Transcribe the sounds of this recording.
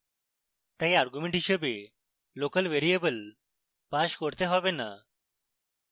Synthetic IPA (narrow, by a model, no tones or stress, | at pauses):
t̪ajaɾɡumẽɳʈiɕəbe | lokəlʋeɾijebəl | paɕkɔɽt̪eɦɔbena̰